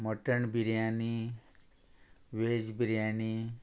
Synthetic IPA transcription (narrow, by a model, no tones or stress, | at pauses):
məʈəɳbiɾjani | ʋeːd͡ʒbiɾjani